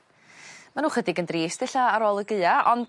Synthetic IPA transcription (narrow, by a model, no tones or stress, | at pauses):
manuːχədɪɡəndriːsd̥ɛɬaːɾoːlˠəɡɨaʔɔnd